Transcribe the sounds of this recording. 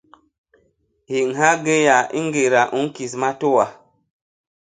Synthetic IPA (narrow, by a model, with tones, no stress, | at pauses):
hi˨ŋ̩˨ha˦ɡe˦ja˨ḭ˦ŋ˦ɡe˨ɾa˨ʔu˦ŋ˦ki˨sma˦to˦wa˨